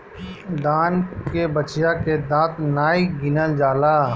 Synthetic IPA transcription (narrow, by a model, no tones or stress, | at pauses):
d̪aːnkebət͡ʃjaked̪ãːt̪naːiɡɪnəd͡ʒaːlaː